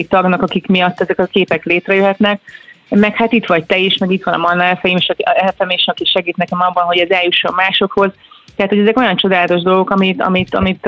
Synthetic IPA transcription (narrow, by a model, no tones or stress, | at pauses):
ikt̪ɒɡnɒkɒkikmijɒt̪ːɛzɛkɒkeːpɛkleːt̪rɛjøɦɛt̪nɛk̚mɛkhat̪it̪ʋɒɟ̚t̪ɛiʃmɛɡit̪ʋɒnɒ̰mɒnːɛfɛjimeʃɒɛlfɛmeːʃɒkiʃɛɡiːt̪nɛkɛmɒbːɒnɦo̞ɟɛzɛljuʃːomːaːʃo̞kho̞zt̪ɛat̪hoɟɛzɛko̞jɒnt͡ʃo̞d̪aːlɒt̪o̞ʒd̪o̞lɡo̞kɒmit̪ɒ̰mit̪ɒ̰mit̪